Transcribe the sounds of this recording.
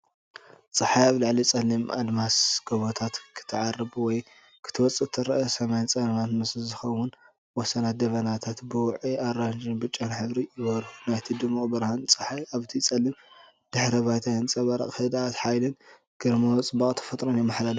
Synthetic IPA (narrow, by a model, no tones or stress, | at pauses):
t͡sʼɐħajaβlɨʕlit͡sʼɐlːimʔa̰d̪masɡ̥ɐβot̪ʰat̪kʰɨ̥t̪ʰːɨʕarɐβwɔj | kʰɨ̥t̪ʰɨwɔt͡sʼɨt̪ʰːɨɾɐʔɐsɐmajnt͡sʼɐnɐmat̪mɨszɨxɐwʊn | wɔsɐnat̪̚d̪ɐβɐnat̪ʰat̪bɨwʕiaɾand͡ʒɨnbɨt͡ʃʼːanħɨβɾijɪβɐɾhunajt̪ʰid̪ɨmabɨɾhant͡sʼɨħajaβt̪ʰit͡sʼɐlːim | d̪̥ɨħɾɐβajt̪ʰajɨnt͡sʼɐβɐɾɐ̰qʼhɨd̪aat̪ħajlɨn | ɡ̥ɨɾmot͡sʼɨbakʼt̪ʰɐ̥fɐt̪ʼɾonjɛmːaħlalu